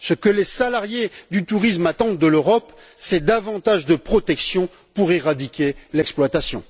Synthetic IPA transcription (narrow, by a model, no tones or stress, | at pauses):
səkəlesalaʁjed̪yt̪uʁismat̪ɑ̃d̪̚d̪əløʁɔpsɛd̪avɑ̃t̪aʒd̪əpχɔt̪ɛksjɔ̃ | puʁeʁad̪ikʲelɛksplwat̪asjɔ̰̃